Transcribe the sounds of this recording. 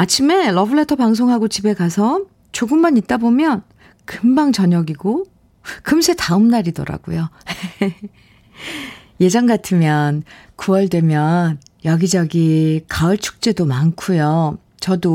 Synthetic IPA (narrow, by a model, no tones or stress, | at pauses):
at͡ɕʰime̞ɾʌbɯɭe̞tʰʌpaŋs̬ʰoŋɦaɡot͡ɕibe̞kasʰʌ | t͡ɕoɡɯmːanit̚t͈abomjʌn | kɯmbaŋt͡ɕʌɲʌɡiɡo | kɯmsʰe̞taɯmnaɾidʌ̰ɾa̰ɡ̥o̰jo | je̞d͡ʑʌŋɡatʰɯmjʌnkuʌɭdwe̞mjʌn | jʌɡid͡ʑʌɡikaɯɭt͡ɕʰu̥k̚t͡ɕ͈e̞domankʰujʌ | t͡ɕʌdo